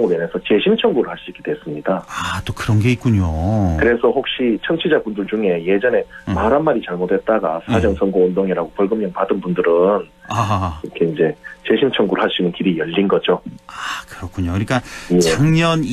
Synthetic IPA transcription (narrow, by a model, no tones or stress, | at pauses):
ʌŋubenesʰʌt͡ɕe̞ɕʰimt͡ɕʰʌŋɡuɾɯɭhaɭs͈uik͈edwes͈ɯmɲidaat͈okɯɾʌnɡe̞ik͈uɲokɯɾe̞sʰʌɸok̚ɕ͈it͡ɕʰʌŋt͡ɕʰid͡ʑabundɯɭd͡ʑuŋe̞je̞d͡ʑʌne̞maɾɦanmaɾit͡ɕaɭmodwe̞t̚t͈aɡa̰sʰad͡ʑʌŋsʰʌŋɡoondoŋiɾaɡopʌɭɡɯmɲʌŋpadɯnbundɯɾɯn | akɯɾʌkʰe̞ind͡ʑe̞t͡ɕe̞ɕʰimt͡ɕʰʌŋɡuɾɯɭhaɕ͈inɯnkiɾijʌʎːinɡʌd͡ʑoakɯɾʌkʰuɲokɯɲik͈ajet͡ɕʌŋɲʌn